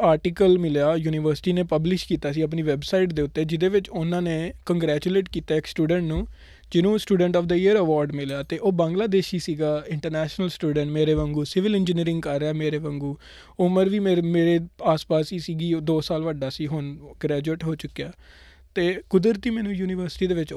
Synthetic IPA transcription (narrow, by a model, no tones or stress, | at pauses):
aːɾʈiːkəlmɪljaːjuːniːʋəɾsʈiːneːpəblɪʃkiːt̪aːsiːəp̬niːʋɛbsaːɪʈd̪eːʊt̪ːeːd͡ʒɪd̪eːʋɪt͡ʃʊnãːnẽːkəŋɡɾɛːt͡ʃuleːʈkiːt̪aːɪksʈuːɖə̃ɳʈnũː | d͡ʒɪnũːsʈuːɖəɳʈɔːfd̪əɪjəɾəʋɔːɾɖmɪljaːt̪eːʔoːbãːŋɡlaːd̪eːʃiːsiːɡaːɪ̃ɳʈəɾnɛːʃnəlsʈuːɖəɳʈmeːɾeːʋə̃ŋɡuːsɪʋɪlɪ̃nd͡ʒəniːɾɪ̃ŋɡkəɾːɛːmeːɾeːʋə̃ŋɡuː | ʊməɾʋiːmeːmeːɾeːaːspaːsiːsiːɡiːd̪oːsaːlʋəɖaːsiːɦʊnɡɾɛːd͡ʒueːʈɦoːt͡ʃʊkːejaː | t̪eːkʊd̪əɾt̪iːmɛ̃ːnũːjuːnɪʋəɾsɪ̥ʈiːd̪eːʋɪt͡ʃ